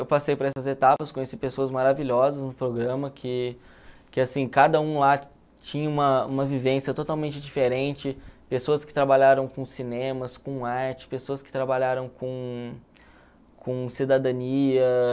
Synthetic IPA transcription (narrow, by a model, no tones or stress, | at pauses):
ewpasejpʊɾɐɛsɐzet̪apɐskõɲesipesoɐzmaɾaviʎɔzɐznʊpɾoɡɾɐ̃mɐkʰɪ | kɪasĩkad̪ɐũla | t͡ʃĩɲɐũmɐṵ̃mɐvivẽsjɐt̪ot̪awmẽnt͡ʃɪd͡ʒifeɾẽnt͡ʃɪpesoɐskɪ̥t̪ɾabaʎaɾɐ̃w̃kõsinẽmɐskõaɾt͡ʃɪ̥pesoɐskɪ̥t̪ɾabaʎaɾɐ̃w̃kõ | kʰõsid̪ad̪ɐ̃niɐ